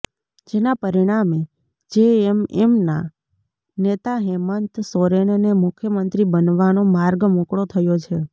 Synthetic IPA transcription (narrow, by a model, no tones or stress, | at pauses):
d͡ʒenapəɾiɽ̃ame | d͡ʒeememna | net̪aɦemənt̪soɾennemʊkʰjəmənt̪ɾibənʋanomaɾɡmõkɽot̪ʰəjot͡ʃʰe